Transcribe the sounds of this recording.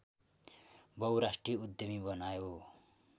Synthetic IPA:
bʌwɾasʈrijud̪jʌmibʌnajo

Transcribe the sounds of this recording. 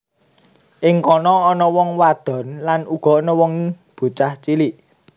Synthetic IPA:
ʔɪŋkɔnɔːnɔwɔŋwad̪̥ɔ̤nlanʔuɡ̥ɔ̤ʔnɔwɔŋ | b̥ṳt͡ʃaht͡ʃiliʔ

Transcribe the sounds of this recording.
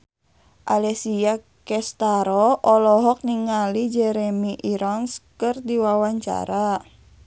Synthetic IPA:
ʔalɛsia | kɛst̪aɾɔɔlɔɦɔk̚niŋalid͡ʒɛɾɛmiʔiɾɔnskɨrdiwawaɲt͡ʃa̰ɾa

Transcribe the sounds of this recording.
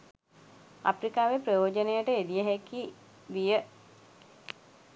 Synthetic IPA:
a̰pɾikaːʋeprəjoːd͡ʒənejəʈəed̪ijəɦeki | d̪ijə

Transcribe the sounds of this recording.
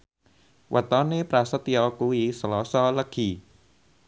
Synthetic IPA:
wʔət̪ɔnepɾasət̪iɔkuisəlɔsɔləɡ̥i

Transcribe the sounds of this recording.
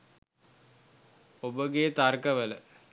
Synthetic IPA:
obəɡet̪arkəʋələ

